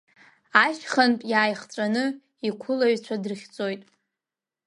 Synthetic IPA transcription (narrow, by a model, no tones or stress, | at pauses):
aʃχantʼjaːjχt͡sʷʼanɨ | ikʷʰʊlaɥt͡ɕʷʰadɨrχʲt͡sʼojtʼ